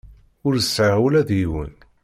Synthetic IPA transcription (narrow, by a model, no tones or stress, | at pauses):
ʊɾəsːʕwlæðjiwə̰n